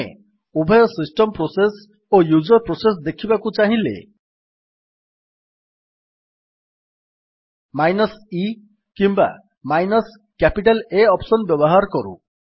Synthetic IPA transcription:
ḛ | ubʱɔjɔsisʈɔmpɾoses | ojud͡ʒɔɾpɾoses̬d̪ekʰibakut͡ʃaɦĩlḛ | majnɔsi | kimba̰ | majnɔs | kapiʈaleɔpsɔnbjɔbɔɦaɾɔkɔɾṵ

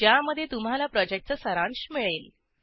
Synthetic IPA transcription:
d͡ʑjaməd̪ʱːjet̪um̤alapɾɔd͡ʑek̚ʈ̚t͡səsəɾãɳɕmiɭeːl

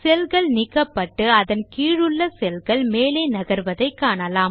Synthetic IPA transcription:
sɛlɣɐɭnɪkːɐpːɐʈːɯɐðɐnkiːɻɯɭːɐsɛlɣɐɭmeːleːnɐɣɐɾʋɐðɐɪkːaːɳɐlaːm

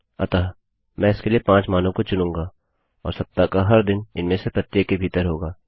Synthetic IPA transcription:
ɐ̰t̪aː | mɛ̃ːɪskeliepãːt͡ʃmaːnõkot͡ʃʊnũːŋɡaː | ɔ̰ːɾsɐp̚t̪ːakaɦɐɾd̪ɪnɪnmẽsepɾɐt̪ːjeːkːebʱiːt̪əɾɦoːɡaː

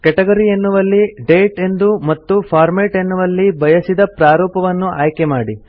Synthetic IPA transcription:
kɛʈɐɡɐɾijenːuʋɐlːiɖe̞ːʈe̞nd̪umɐt̪ːupʰaːɾmeːʈe̞nːuʋɐlːibɐjɐsid̪ɐpɾaːɾɔːpɐʋɐnːuʔaːjkemaːɽi

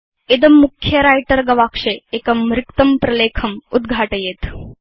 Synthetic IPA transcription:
ed̪ɐmːukʰjɐɾajʈəɾɡɐʋakʂeekɐmɾikt̪ɐmpɾɐleːkʰɐmud̪ɡʱaʈəjeːt̪

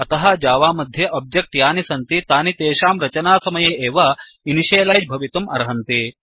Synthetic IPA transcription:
ɐt̪ɐɦɐd͡ʒaːʋaːmɐd̪ʱjɐʔɐb̚d͡ʒɐk̚ʈjaːnisɐnt̪it̪aːnit̪eːʃaːmɾɐt͡ʃɐnaːsɐmɐjeːʔeːʋɐ | iniʃeːlaːd͡ʒbʱɐʋit̪umɐ̰ɾɐɦɐnt̪i

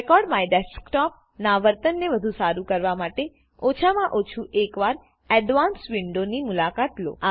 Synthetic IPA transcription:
ekɔɾɖmajɖɛsʈkʈɔp̚ | naʋəɾt̪ənːeʋəd̪ʱusaɾukəɾʋamaʈe | ot͡ʃʰamãʔot͡ʃʰuʔekʋaɾ | ɛɖʋansʋiɳɖonimulakat̪lo̰a

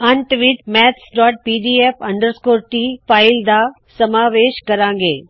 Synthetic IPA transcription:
ɐɳʈʋɪʈmɛːt̪sɖɔːʈ̚piːɖiːeːfɐ̃ɳɖəɾskoːɾʈiːpʰaːɪld̪a | sɐmaːʋeːʃkɐɾãːŋɡeː

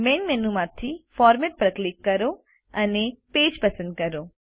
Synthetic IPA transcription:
menmenumat̪ʰifɔːɾmeʈ̚pɾəklikːəɾo | ənepeːd͡ʒpəsə̃nd̪̚kəɾo

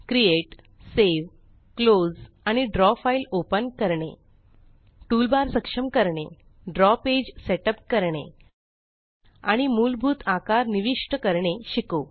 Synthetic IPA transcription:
kɾieʈ | seʋ | klod͡z | aɽ̃iɖɾɔfailopənkəɾɳḛ | ʈulbaɾsəkʂəmkəɾɳe | ɖɾɔped͡ʑseʈəp̚kəɾɳḛ | a̰ɽ̃imulbʱuːt̪ʰakaɾniʋiʂʈəkəɾɳeɕiko

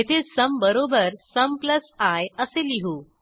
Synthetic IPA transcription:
et̪ʰesəmbəɾobəɾsəmpləsajəseliɦuː

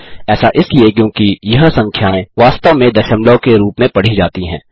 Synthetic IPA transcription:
ɛːsaʔɪsliekjõːkijɐɦsɐ̃ŋkʰjaːẽʋaːst̪əʋmẽd̪ɐʃəmlokeɾuːpmẽpɐɽ̤id͡ʒaːt̪iɦɛ̃ː

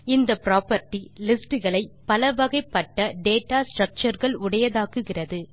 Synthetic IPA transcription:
ɪnd̪ɐpɾaːpɐɾʈilɪsʈɯɣɐɭɐɪpɐlɐʋɐɣɐɪpːɐʈːɐɖeːʈːaːsʈrɐk̚t͡ʃɐɾɣɐɭʊɽɐjɐðaːkɯɣɪrɐðɯ

